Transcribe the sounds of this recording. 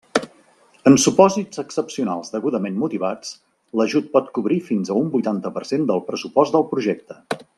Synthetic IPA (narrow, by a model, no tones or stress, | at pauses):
ənsupɔzid͡zəksəpsiuna̰lˠzd̪əɣuðəmenmut̪iβat͡s | ləʒut̪̚pɔt̪kuβɾifinzəumbujt̪ant̪əpəɾsend̪əlˠpɾəsupɔzt̪d̪əlˠpɾuʒɛk̚t̪ə̥